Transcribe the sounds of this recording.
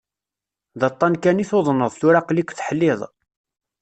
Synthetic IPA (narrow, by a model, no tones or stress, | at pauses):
ðɑt̪ˤːɑnkæniθoðˤnːəðˤθuɾaqlikʷːθħəlːɪðˤ